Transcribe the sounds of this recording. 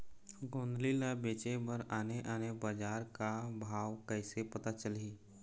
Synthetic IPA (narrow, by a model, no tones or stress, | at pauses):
ɡõːnd̪lilabeːt͡ʃebəɾaːneʔaːnebəd͡ʒaːɾkabʱaːwkəɪsepət̪at͡ʃəliː